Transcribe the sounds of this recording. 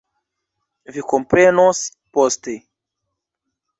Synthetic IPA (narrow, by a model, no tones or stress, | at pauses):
vikompɾenos | poste